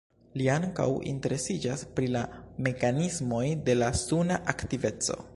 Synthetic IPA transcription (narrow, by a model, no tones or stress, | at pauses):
liaŋka̰wḭnte̞ɾe̞sid͡ʒaspɾilame̞kanizmo̞jde̞lasunaʔaktive̞t͡so̞̰